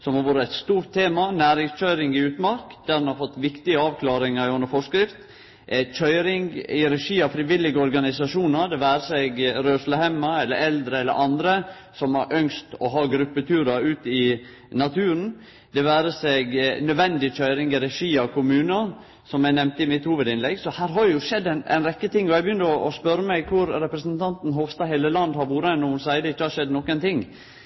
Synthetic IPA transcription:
sɔmhɑɾʋoːɾəæɪt̪st̪uːɾʈ̪ʰːeːmɑnæːɾɪŋsc͡çœʏɾɪŋɪʉːt̪mɑɾkd̪̥æɾdɛnhɑɾfɔt̪ːʋɪkt̪ɪəɑːʋkʰlɑːɾɪŋəɾɪʉnːəɾfɔʂkɾɪft̪ | ʔɛc͡çʰœʏɾɪŋɪɾɛʂiːɑfɾɪʋɪlːɪɡəɔɾɡɑnɪsɑʂuːnəɾd̪ɛʋæːɾəsɛɡɾøːsləhɛmɑɛlːə̰ɾɛld̪ɾəɛlːə̰ɾʔɑnd̪ɾə | sɔmhɑɾʔœŋst̪ɔɦɑːɡɾʉpːət̪ʰʉːɾɑʉːt̪ɪ | nɑt̪ʰʉːɾən | d̪ɛʋæːɾəsɛɡnœd̪ʋɛnd̪ɪc͡çœʏɾɪŋəɾɛʂiːɑkʰʊmʉːnɑ | sɔmæɪnɛmt̪əɪmɪt̪huːʋəd̪ɪnlɛɡsɔhæːɾɦɑɾjʊʂɛd̪ːæɪnʔæ̰ɪnɾɛkːət̪ʰɪŋːɔɛɪbjʏnd̪əɔʔɔspœɾːəmæɪɡkʰʊɾɾɛpɾəsənt̪ʰɑnt̪n̩ɦoːʋst̪ɑheːləlɑnd̪hɑɾʋuːɾəɛnːɔmʊnsæɪd̪əɪçːəhɑɾʂɛd̪nɔkːənt̪ʰɪŋː

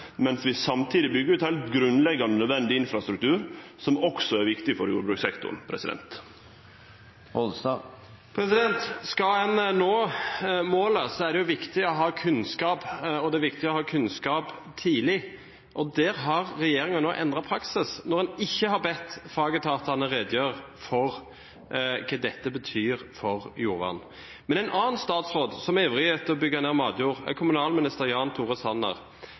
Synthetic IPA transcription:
mɛnsʋɪsɑmt̪ʰiːd̪ɪbʏɡːəɾʉːt̪hɛlt̪ɡɾʉnlɛɡːɑnnœd̪ʋɛnd̪ɪɪnfɾɑst̪ɾʉkt̪ʰʉːɾsɔmɔksɔæɾʋɪkt̪ɪfɔɾjṵːɾbɾʉːksɛkt̪ʊ̰ɾnpʰɾɛ̰sɪd̪ɛ̰nt̪ | ɔlst̪ɑ | pʰɾɛsɪd̪ɛnt̪skɑɛnnoːmoːləsɔæɾɖ̪ɛjʊʋɪkt̪ɪɔɦɑːkʰʉnskɑːpɔd̪ɛʋɪk̚t̪ɪɔhɑːkʰʉnskɑːpt̪ʰiːlɪ | ʔɔd̪ɛːɾɦɑʁːɛjeːɾɪŋɑnoːʔɛ̰nd̪ʁɑpʰɾɑksɪsnɔʁhɛnɪçːəhɑɾbɛt̪ːfɑːɡət̪ʰɑːt̪ɑnəɾeːd̪jøːʁ | fɔʁ | kʰɑːd̪ɛt̪ːəbət̪ʰyːɾfɔʁjuːɾʋɑ̰n | mɛnæɪnʔɑːnst̪ɑːt̪sʁoːd̪sɔmeːʋɾɪheːt̪əɔbʏɡːɑneːʁmɑ̰ːd̪juːʁ̰kʰʊmʉnɑːlmɪnɪst̪əʁjɑːnt̪ʰuːʁəsɑnːə̰ʁ

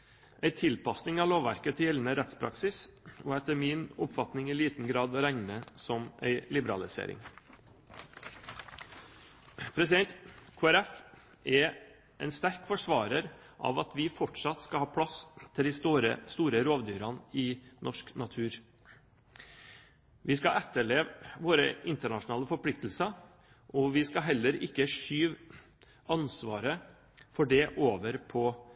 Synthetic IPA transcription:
ʔæɪt̪ʰɪlpɑsnɪŋɑloːʋʋæ̰ɾkət̪ʰɪɪln̩əɾɛt̪spʰɾɑ̰ksɪsoːɛt̪əmɪnʊpfɑt̪nɪŋɪːliːt̪n̩ɡɾɑːd̪ɾæŋnəsɔmæ̰ɪlɪbəɾɑlɪsḛːɾɪ̰ŋ | pʰɾɛsɪd̪ɛnt̪kʰoːæɾɛf | ʔɛ | ʔɛɪnst̪æɾkfɔʂʋɑːɾəɾ | ʔɑ̰ʋɑt̪ʋɪfɔʈʂɑt̪skɑlhɑːpʰɽɑst̪ʰɪld̪ɪst̪ɾə̰st̪uːɾəɾoːʋd̪yːɾɑnɪnʔɔʂknɑt̪ʰʉːɾ | ʋɪskɑɛt̪ːəɭeːʋʋoːɾəʔɪnt̪əɳɑʂʊnɑːləfɔɾpʰlɪk̚t̪l̩sɑ | ʔɔʋɪskɑɦɛlːəɾɪkːəʂyːʋ | ɑnsʋɑːɾə | fɔɖɛʔoːʋəɾpʰɔ

